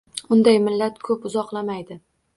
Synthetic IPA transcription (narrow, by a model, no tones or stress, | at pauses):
ʊnd̪ajmɪlːat̪kʰɵpʊzɒqlˠamajd̪ɪ